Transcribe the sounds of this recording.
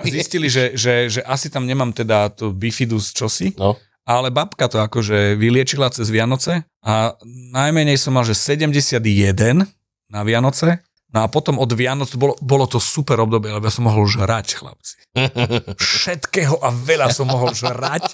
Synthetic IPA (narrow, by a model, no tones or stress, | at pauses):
zisciliʒɛʒɛʒɛʔasit̪amɲɛmaːmt̪ɛd̪at̪ubifid̪ust͡ʃɔsi | alɛbapkat̪ɔakɔʒɛʋilɪɛt͡ʃilat͡sɛzʋɪanɔt͡sɛ | anajmɛɲɛjsɔmːalʒɛsɛɟɛmɟɛsɪad̪jɛd̪ɛn | naʋɪanɔt͡sɛ | nɔapɔt̪ɔmɔd̪ʋɪanɔt͡sbɔlɔbɔlɔt̪ɔsupɛɾɔb̚d̪ɔbɪɛlɛbɔjasɔmːɔɦɔlʒɾacxla̰p̚t͡si̥ | fʃɛt̪kɛːɦɔʔaʋɛʎasɔmːɔɦɔlʒɾac